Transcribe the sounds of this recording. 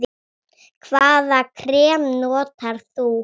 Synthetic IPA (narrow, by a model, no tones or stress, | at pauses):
kʰvaːðakʰɾɛːmnɔːt̪aɾ̥θu